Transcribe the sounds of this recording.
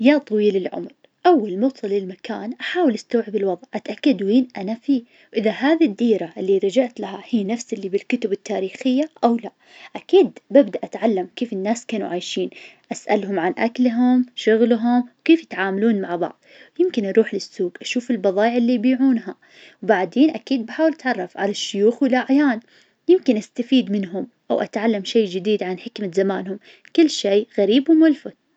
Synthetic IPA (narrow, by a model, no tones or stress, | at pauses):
jat̪ˤɑwiːlɪlʕʊ̰mɾ | ʔawːalmɑwsˤɑlːɪlmakaːnʔaħaːwɪlʔast̪awʕɪbɪlwɑðˤʕʔat̪ʔakːad̪wiːnʔanafiː | wʔɪðaɦaːðid̪ːiːɾaʔɪlːiɾˤɑd͡ʒaʕt̪laɦahiːnafsɪlːibɪlkʊt̪ʊbɪt̪ːaːɾiːxɪjːaʔawla | ʔakiːd̪babd̪aʔat̪ʕalːamkeːfɪnːaːskaːnṵʕajʃiːnʔasʔa̰lɦʊmʕanʔaklɦʊmʃʊɣlɦʊmwkeːfjɪt̪ʕaːmaluːnmaʕbɑ̰ʕðˤjɪmkɪnʔɑɾˤuːħlɪsːuːɡʔaʃuːfɪlbɑðˤɑːjɪʕɪlːijbiːʕuːnɦa | wbaʕd̪eːnʔakiːd̪̚baħaːwɪlʔat̪ʕɑrˤːɑfʕa̰laʃːʊjuːxwɪlʔaʕjaːn | jɪmkɪnʔast̪afiːd̪mɪnɦʊm | ʔawʔat̪ʕalːamʃeːd͡ʒɪd̪iːd̪ʕanħɪkmazamaːnhʊm | kɪlːʃeːɣaɾiːbwmʊlfʊd̪̚